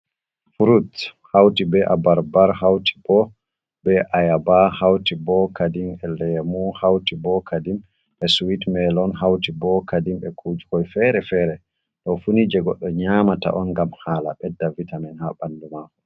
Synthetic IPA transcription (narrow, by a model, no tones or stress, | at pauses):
fuɾuthawtibɛʔabaɾbaɾɦawti̥b̥ɔ | bɛʔajabahawtibɔkadimɛlɛmuhawtibɔkʰadim | ʔɛsuwitmɛlɔnɦawtibɔkadimɛkʰud͡ʒukɔjfɛɾɛfɛɾɛ | ɗɔfunid͡ʒɛɡɔɗːɔɲaːmata̰ʔɔnɡamhala̰ɓɛdːavitamɛnhaɓalːumakɔ